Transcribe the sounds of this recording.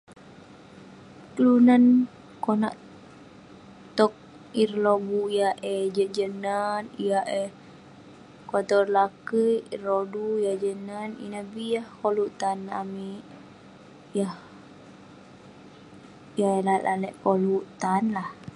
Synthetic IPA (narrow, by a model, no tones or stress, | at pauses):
kəlunan | kona̰ʔ | t̪ɔk̚ | irlobuijaʔɛd͡ʒəʔd͡ʒənanijaʔɛ | kwat̪ɔrlakəirodujahd͡ʒənanḭnahbijahkoluʔt̪ana̰miʔ | jah | ijaɛlat̪alɛʔkoluʔt̪anlah